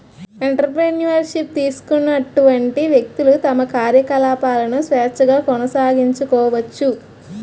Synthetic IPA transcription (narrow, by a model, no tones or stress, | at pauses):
eɳʈɐɾp̬ɾenjuʋɐɾʂip̚t̪iːsu̥kunːɐʈuʋɐɳʈiʋjek̚t̪ulut̪ɐmɐkaːɾjɐkɐlaːpaːlɐnusʋɛːt͡ʃːɐɡaːkɔnɐsaːɡiɲt͡ʃukɔːʋɐt͡ʃːu